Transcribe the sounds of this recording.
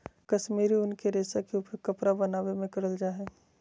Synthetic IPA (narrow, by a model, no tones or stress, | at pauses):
kɐʃmiːɾiʊnkeɾeːsakeʊpəɾkɐpɾabɐnaːwemẽkɐɾəld͡ʒaːɦɛː